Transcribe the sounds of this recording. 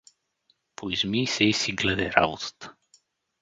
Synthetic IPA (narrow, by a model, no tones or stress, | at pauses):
pʰoizmiːsɛisiɡlɛd̪ɛɾa̰vot̪ə̥t̪ə̥